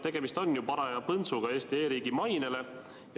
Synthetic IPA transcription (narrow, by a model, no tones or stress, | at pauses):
t̪e̞ɡ̥e̞mist̪o̞nʲːjupɑɾɑjɑpɤnsuɡ̥ɑeːst̪ieːɾiːɡ̥imɑjnele̞ | j